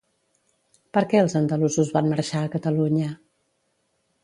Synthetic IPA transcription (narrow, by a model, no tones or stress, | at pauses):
pəɾkɛəlˠzənd̪əluzuzβanməɾʃaəkət̪əluɲə